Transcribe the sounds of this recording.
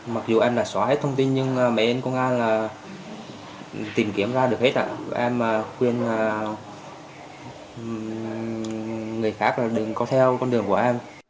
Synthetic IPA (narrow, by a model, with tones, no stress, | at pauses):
ma˨˩k̚zu˨˩ʔɛ˧mlaː˨˩sɔ˧˩he˦˥t̚t̪ʰə˧ŋ͡mt̪i˧nɲɨ˧ŋː˨˩mɛ̰˧˨ʔə˧nkɔ˧nʔaː˧jlaː˨˩ | t̪i˨˩mki˨˧˩əmzaː˧ɗɨ˨˩əkhe˦˥t̚ʔa̰ː˧˨˧ʔɛ˧maː˨˩kwi˧ənaː˨˩ | ŋɨ˨˩əjxaː˦˥k̚laː˨˩ɗɨ˨˩ŋkɔ˨˦t̪ʰɛ˧wkɔ˧nɗɨ˨˩əŋku˧˩əʔɛ˧m